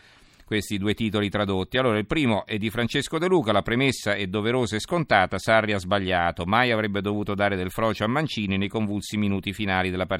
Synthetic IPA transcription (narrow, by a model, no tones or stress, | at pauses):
kwest̪id̪uːet̪iːt̪olit̪ɾad̪ot̪ːialːoːɾailpɾiːmoʔɛd̪ːifɾant͡ʃeskod̪eluːkalapɾemesːaɛd̪ːoveɾoːzaɛskont̪aːt̪asarːiazbaʎːaːt̪omajavɾɛbːed̪ovuːt̪od̪aːɾed̪elfɾɔːt͡ʃoamːant͡ʃiːninejkoɱvulsiminuːt̪ifinaːlid̪elapa